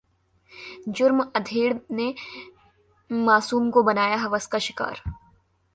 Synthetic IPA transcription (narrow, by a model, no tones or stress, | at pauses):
d͡ʒʊɾmɐd̪ʱeːɽne | maːsuːmkobɐnaːjaɦɐʋəskaʃɪka̰ːɾ